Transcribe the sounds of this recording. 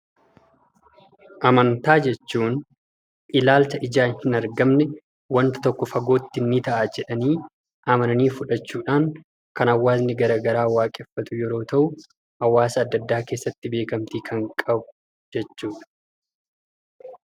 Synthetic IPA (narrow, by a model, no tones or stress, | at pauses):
ʔɐmɐnt̪aːd͡ʒɛt͡ʃːuːn | ʔɪlaːlt͡ʃɐʔɪd͡ʒaːnhɪnɐɾɡɐmnɛ | wɐnt̪ɐ̥t̪ɔkːɔfɐɡo̞ːt̪ːɪnːɪt̪ɐʔaːd͡ʒɛᶑɐniː | ʔɐmɐnɐniːfʊᶑɐt͡ʃːuːᶑaːŋ | kɐnɐwːaːznɪɡɐɾaːɡɐɾaːwaːkʼɛfːɐt̪ʊjɛɾo̞ːt̪ɐʔʊ | hɐwːaːsɐɐd̪ːɐd̪ːaːke̞ːsːɐt̪ːɪbe̞ːkɐmt̪iːkʰɐŋkʼɐbʊ̥ | d͡ʒɛt͡ʃːuːᶑɐ̥